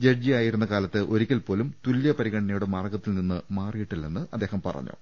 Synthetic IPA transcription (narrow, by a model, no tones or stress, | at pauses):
d͡ʑerd͡ʑiaːjiɾunːɐkaːlɐt̪ːɨʔo̞ɾikʲːɐlpo̞ːlumt̪uljɐpɐɾiɣɐɳɐnɐjuɽe̞maːrɡɐt̪ːilninːɨmaːrijiʈːilːenːɨʔɐd̪ːeːhɐmpɐ̰rɐ̰ɲːo̰ː